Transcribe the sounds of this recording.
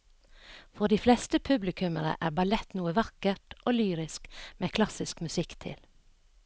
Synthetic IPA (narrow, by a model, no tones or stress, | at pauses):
fɔɖ̪iːflɛst̪əpʰʉblɪkʰʉmənə̰ʔæːbɑlɛt̪nuːəʋɑkəʈʔoːlyːɾɪskmʔeːkʰlɑsɪskmʉsɪkt̪ʰɪ̰l